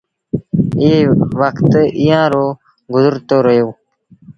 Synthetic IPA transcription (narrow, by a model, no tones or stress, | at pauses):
eːʋəkt̪ijãːɾoː | ɡʊzʊɾt̪oːɾəjoː